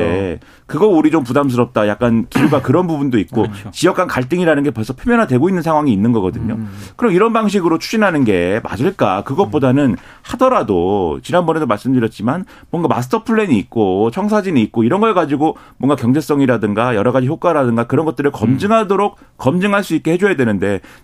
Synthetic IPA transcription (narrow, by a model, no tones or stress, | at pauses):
ḛ | kɯɡʌuɾid͡ʑompudams̬ʰɯɾʌp̚t͈ajak͈̚ankiɾuɡakɯɾʌnbubundoit̚k͈ot͡ɕijʌkʰankaɭt͈ɯŋiɾanɯnɡe̞pʌɭs͈ʰʌpʰeomjʌnadwe̞ɡoinːɯnsʰaŋɦwaŋiːnːɯnɡʌɡʌdɯɲokɯɾʌmiɾʌnbaŋɕ̬ʰiɡɯɾot͡ɕʰu̥ɕinɦanɯnɡe̞ma̰d͡ʑɯɭk͈akɯɡʌt̚p͈odanɯn | hadʌɾadot͡ɕinɦanbʌne̞domaɭs͈ɯmdɯɾjʌt̚t͡ɕ͈iman | mwʌnɡama̰s̬ʰɯ̥tʰʌpʰɯɭːeɲiːk̚k͈ot͡ɕʰʌŋsʰad͡ʑiniːt̚k͈oiɾʌnɡʌeɡad͡ʑiɡo | mwʌŋɡakjʌŋd͡ʑe̞s͈ʌŋiɾadɯŋɡajʌɾʌɣad͡ʑiçjok͈waɾadɯŋɡakɯɾʌnɡʌt͈ɯɾɯɭkʌmd͡ʑɯŋɦadoɾok͈̚ːʌmd͡ʑɯŋɦaɭs͈uik͈ehe̞d͡ʑojadwe̞nɯnde̞